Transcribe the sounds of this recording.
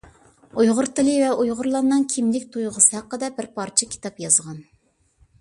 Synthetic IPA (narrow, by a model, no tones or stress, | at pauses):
ujʁʊɾt̪ɨlɪvɛujʁʊɾlˠɑɾnːɨŋkʲʰimlɪkʲt̪ʰujʁəsɨhæqːəd̪ɛbɪɾpʰɑɾt͡ʃʰɛkʲʰi̥t̪ɑpjɑzʁɑn